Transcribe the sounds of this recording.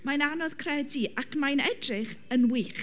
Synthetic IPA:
majnanɔð̥kʰrɛdiʔakmajnɛdrɨχənwiːχ

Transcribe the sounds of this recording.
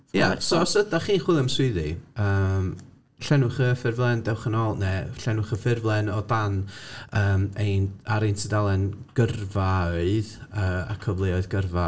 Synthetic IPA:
jasɔsədaχiːnχwɪlˠəmswɪðiəːm | ɬɛnʊχəfɪrvlˠɛndɛwχənɔlˠnɛɬɛnwʊχəfɪrvlˠɛnɔdanəːmejnaɾejntʰədalˠɛnɡ̥ərvaɨðəːa̰kʰɔvlˠɪɔɨðɡərva

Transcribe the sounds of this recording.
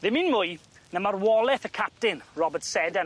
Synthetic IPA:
ðɪminmʊj | nəmarwɔlˠɛθəkʰap̚tɪnrɔbətsɛda

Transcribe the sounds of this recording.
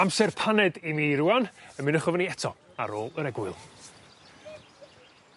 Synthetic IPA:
amsɛrpʰanɛdimiɾuwanəmɪnəχɔvəniɛtʰɔ | a̰ɾoːlˠəɾɛɡwɪlˠ

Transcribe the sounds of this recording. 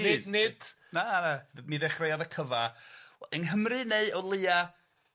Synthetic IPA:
ɪdnɪd̥ | nanamiðɛχrejaðəkʰəvawɛdɛnɦəmrɨneɨɔlˠɨːa

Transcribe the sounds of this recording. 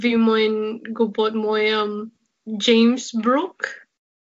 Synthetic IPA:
vimãɪ̃nɡobɔt̚mɔɪʌm | d͡ʒẽɪ̃msbɹʊk

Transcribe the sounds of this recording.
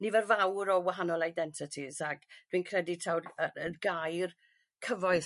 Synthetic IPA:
nivɛrvawɾɔwaɦanɔlˠajdɛntʰɪtʰizaɡd̥winkʰrɛditʰawrəənɡajr | kʰəvɔɨ

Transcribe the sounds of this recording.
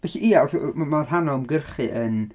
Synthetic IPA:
bɛɬiʔiawrmarɦanɔmɡərχɨʔən

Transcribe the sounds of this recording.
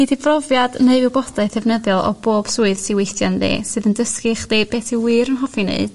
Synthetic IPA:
nidivrɔvjadneɨvɪwbɔdaɨθɛvnəðjɔlˠɔ̰boːb̥suɨðsiwejtjanðḭːsɨðəndəskɨχdib̥eːtʰiwɨːɾənɦɔfinḛɨd̥

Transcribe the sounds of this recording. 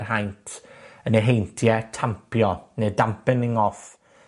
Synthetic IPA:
rɦajntʰəneɦejntʰjɛtʰampʰjɔnedampɪnɪŋɔf

